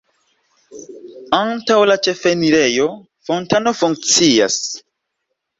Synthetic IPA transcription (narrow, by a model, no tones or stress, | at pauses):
antawlat͡ʃe̞feniɾe̞jo̞ | fo̞ntano̞fuŋk̚t͡sia̰s